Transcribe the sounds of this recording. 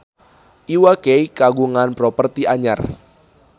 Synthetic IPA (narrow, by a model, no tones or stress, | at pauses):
ʔiwakejkaɡuŋanpɾɔpərt̪iʔaɲa̰r